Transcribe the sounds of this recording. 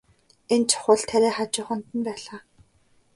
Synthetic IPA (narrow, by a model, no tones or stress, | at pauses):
ent͡ɕʰʊ̥χʊ̆ɮt̪ʰæɾæːχat͡ɕʊːχə̆nt̪ə̆npæːɮaː